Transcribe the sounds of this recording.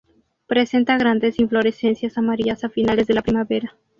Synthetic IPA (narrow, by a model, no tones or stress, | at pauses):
pɾe̞se̞nt̪aɣ̞ɾand̪e̞siɱflo̞ɾe̞se̞nsjasamaɾiasafinale̞zðelapɾimaβe̞ɾa